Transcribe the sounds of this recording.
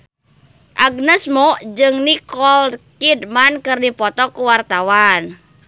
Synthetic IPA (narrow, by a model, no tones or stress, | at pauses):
ʔaɡnəsmɔd͡ʒɨŋnikɔlkidmankɨrdipɔt̪ɔkuwart̪awan